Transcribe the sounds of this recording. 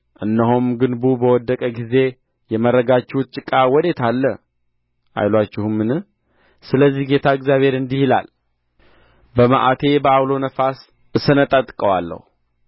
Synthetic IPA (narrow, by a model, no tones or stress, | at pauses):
ʔɨnːəɦomɡɨnbubəwɔd̪ːəkʼəɡize̞ | jɛməɾːəɡat͡ʃːɪt͡ʃʼɨkʼawɔd̪e̞t̪ʰalːə | ʔa̰jlwat͡ʃːɪhumːɨnɨ | sɨləzːihɡe̞t̪ʰaɨɡzjaβhe̞ɾɨnd̪ihila̰l | bəmaʔa̰t̪ʰe̞bəawlo̞nəfas | ʔɨsənət̪ʼət̪ʼkʼəwalːə̰hu